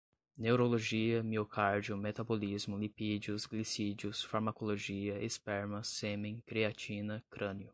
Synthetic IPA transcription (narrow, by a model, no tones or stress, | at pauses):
newɾoloʒiɐmiokʰaɾd͡ʒiʊmet̪abolizmʊlipid͡ʒiʊzɡlisid͡ʒiʊsfaɾmakoloʒiɐʔespɛɾmɐsẽmẽkɾiat͡ʃĩnɐkɾɐ̃njʊ